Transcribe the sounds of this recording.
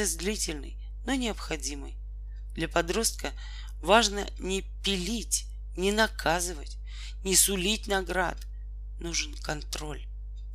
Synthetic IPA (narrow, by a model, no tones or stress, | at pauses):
ɛzd̪lʲitʲɪlʲnɨ̰j | nonʲɪəpxɐdʲimɨ̰j | d̪lʲɐpɐd̪ɾo̞st̪̚kə | vaʐnə | nʲɪpʲɪlʲitʲ | nʲɪnɐkʰazɨvə̰tʲ | nʲɪsʊlʲit̚ʲnɐɡɾa̰t̪ | nuʐɨnkɐnt̪ɾo̞lʲ